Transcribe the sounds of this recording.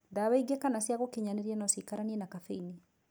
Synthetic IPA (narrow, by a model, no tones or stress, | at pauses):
daβaiɡɛkanasjaɣokiɲaneɾiɛnasikaɾaniɛnakafeini